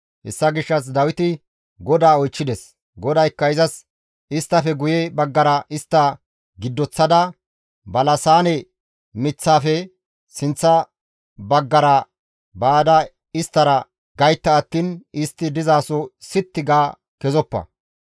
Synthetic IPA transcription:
ʔɛ̰sːɐɡɪʃːɐs̬d̪ɐwɪt̪ɪ | ɡɔd̪aːɔjt͡ʃːɪd̪ɛs | ɡɔd̪ɐjkːɐɪzɐs | ɪst̪ːɐfɛɡʊjɛbɐɡːɐɾɐʔɪst̪ːɐ | ɡɪd̪ːɔt͡sːɐd̪ɐ | bɐlɐsaːnɛ | mɪt͡sːaːfɛ | sɪnt͡sːɐ | bɐɡːɐɾɐ | baːd̪ɐ | ɪst̪ːɐɾɐ | ɡɐjt̪ːɐːt̪ːiːnɪst̪ːɪd̪ɪzaːsɔsɪt̪ːɪɡaː | kɛzɔpːɐ̰

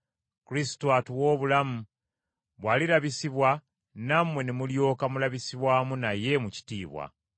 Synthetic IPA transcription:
kuɾisi̥toatuwo̞ːβulamu | βwaːlilaβisiβwa | namwe̞nemuljo̞ːkamulaβisiβwaːmunaje̞muci̥tiːβwa̰

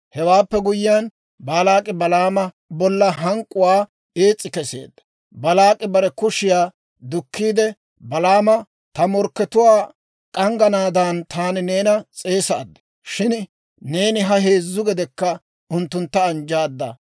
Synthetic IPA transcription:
hɛwaːpːɛɡʊjɪjan | baːlaːkʼɪbɐlaːmɐ | bɔlːɐɦɐŋkʼːʊwaː | eːt͡sʼːɪkɛse̞̰ːd̪ːɐ̥ | bɐlaːkʼɪbɐɾɛkʊʃɪjaː | d̪ʊkːiːd̪ɛ | bɐlaːmɐ | t̪ɐmɔɾkːɛt̪ʊwaː | kʼɐŋɡɐnaːd̪ant̪ʰaːnɪne̞ːnɐt͡sʼe̞ːsɐ̰ːd̪ːɐ̥ | ʃɪnː | e̞ːnɪɦɐɦeːzːʊɡɛd̪ɛkːɐ | ʊnt̪ːʊnt̪ːɐːnd͡ʒaːd̪ːɐ̰

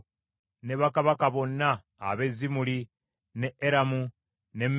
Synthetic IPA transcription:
neβakaβakaβo̞nːa̰ː | βe̞zimuli | neeɾamu | nem

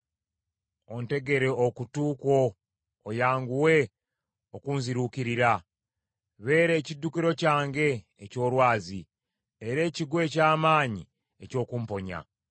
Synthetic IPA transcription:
o̞nte̞ɡe̞ɾe̞okutuːko̞ː | jaːŋɡuwe̞ | okuːnziɾukiɾiɾa | βe̞ːɾe̞ːcidːukiɾo̞caːŋɡe̞ː | co̞ːɾwaːzi | eɾe̞ːciɡwe̞ːcaːmaːɲḭ | eco̞ːkumpo̞ɲa̰

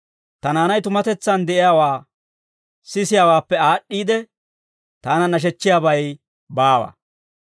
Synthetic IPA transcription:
t̪ɐnaːnɐjt̪ʊmɐt̪ɛt͡sːɐnd̪ɛʔɪjaːwaː | sɪsɪjaːwaːpːɛaːɗːiːd̪ɛ | t̪aːnɐnɐʃ̬ɛt͡ʃːɪjaːbɐj | baːwɐ̰

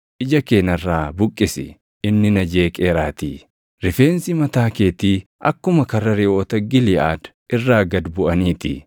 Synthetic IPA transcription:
ʔɪd͡ʒɐkeːnɐrːaːbʊkʼːɪsɪ̰ | ɪnːɪnɐd͡ʒe̞ːkʼeːɾaːt̪iː | ɾɪfeːnsɪmɐt̪aːke̞ːt̪iː | ʔɐkːʊmɐkɐrːɐɾɪʔoːt̪ɐɡɪlɪʔaːd̪ | ʔɪrːaːɡɐd̪bʊʔɐniːt̪ɪ̰

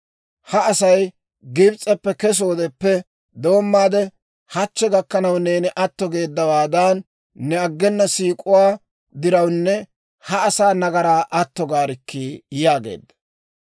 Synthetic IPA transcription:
hɐɐsɐj | ɡɪbt͡sʼːɛpːɛkɛs̬o̞ːd̪ɛpːɛ | d̪o̞ːmːaːd̪ɛ | hɐt͡ʃːɛɡɐkːɐnɐwne̞ːnɪʔɐt̪ːɔɡe̞ːd̪ːɐwaːd̪ɐnː | ɛɐɡːɛnːɐsiːkʼʊwaː | d̪ɪɾɐwnːɛ | hɐɐsaːnɐɡɐɾaːʔɐt̪ːɔɡaːɾɪkːijaːɡḛːd̪ːɐ̥

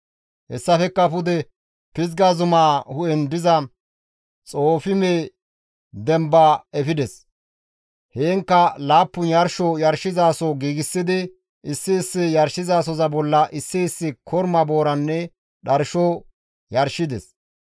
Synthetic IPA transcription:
hɛ̰sːɐfɛkːɐpʊd̪ɛ | pɪzɡaːzʊmaːhʊʔɛnd̪ɪzɐ | t͡sʼo̞ːfɪme | d̪ɛmbaɛfɪd̪ɛs | heːŋkːɐlaːpːʊnjɐɾʃɔjɐɾʃɪzaːsɔɡiːɡɪsːɪd̪ɪ | ɪsːɪːsːɪjɐɾʃɪzaːs̬ɔzɐbɔlːɐʔɪsːɪɪsːɪkʰɔɾmɐbo̞ːɾɐnːɛ | ɗɐɾʃɔ | jɐɾʃɪd̪ɛs

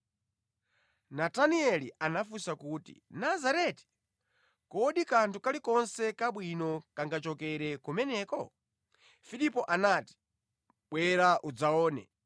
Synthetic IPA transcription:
nataniɛliʔanafusakuːtḭnazaɾɛti̥ | kɔːɗikantʰukalikɔnsɛkaɓwinɔkaŋɡat͡ʃɔkɛɾɛkumɛnɛːkɔ | fiɗipɔʔanati̥ | ɓwɛɾaʔud͡zaɔːnɛ̰

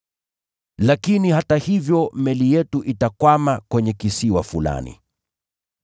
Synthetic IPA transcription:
lakinihatahivjɔmɛlijɛtuʔitakwamakwɛɲɛkisiwafula̰nḭ

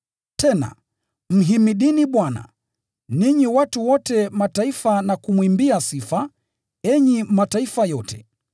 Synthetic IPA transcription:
tʰɛna̰ | m̩ɦimiɗiniɓwana̰ | niɲiwatuwɔtɛmataifanakumwimbiasifa | ɛɲimataifajɔtʰɛ̰

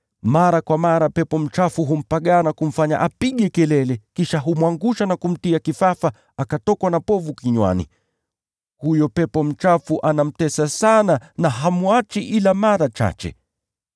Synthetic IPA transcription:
maɾakwamaɾapɛpɔm̩t͡ʃafuɦum̩paɠanakum̩faɲa̰ʔapiɠɛkɛlɛlɛkiʃaɦumwaŋɡuʃanakum̩tiakifafa | akatɔkwanapɔvukiɲwa̰nḭ | hujɔpɛpɔm̩t͡ʃafuʔanam̩tɛsasananaɦamuat͡ʃiʔilamaɾat͡ʃa̰t͡ʃɛ̰

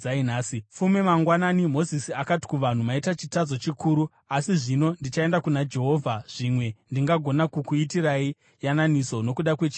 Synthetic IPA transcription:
ainaːsifumemaŋɡwananimo̞zisiakati̥kuʋan̤umaitat͡ʃitazo̞t͡ʃikʰuːɾu | asiʐino̞ndit͡ʃaendakunad͡ʒe̞ɦo̞ːvʱaʐ̥imwe̞ndiŋɡaɡʱo̞nakukuitirai | jananiso̞no̞kuɗakwe̞t͡ʃi

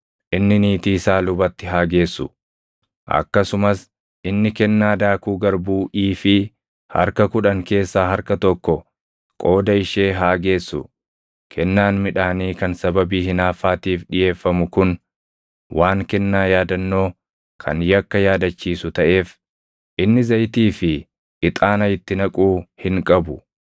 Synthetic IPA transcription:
ʔɪnːɪniːt̪iːsaːlʊbɐt̪ːɪɦaːɡe̞ːsːʊ̰ | ʔɐ̰kːɐsʊmɐs | ʔɪnːɪkɛnːaːd̪aːkuːɡɐɾbuːʔiːfɪ | hɐ̰ɾkɐkʊᶑɐŋke̞ːsːaːɦɐɾkɐt̪ɔkːɔ | kʼo̞ːd̪ɐɪʃe̞ːɦaːɡe̞ːsːʊ̰ | kʰɛnːaːnmɪᶑaːniːkɐnsɐbɐbiːɦɪnaːfaːt̪iːfɗɪje̞ːfːɐmʊkʊn | wʔaːŋkɛnːaːjaːd̪ɐnːo̞ː | kʰɐ̰njɐkːɐjaːd̪ɐt͡ʃːiːsʊt̪ɐʔe̞ːf | ʔɪnːɪzɐjt̪iːfɪː | t̪ʼaːnɐjɪt̪ːɪnɐkʼuːhɪŋkʼɐbʊ

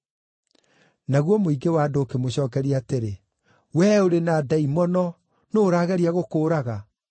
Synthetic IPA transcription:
naɣwɔmoiɡewaːdoːkemoɕɔːkɛɾiaːteɾe | wɛoɾenaːdaimɔnɔ | noːɾaːɣɛɾiaɣokoːɾaɣa

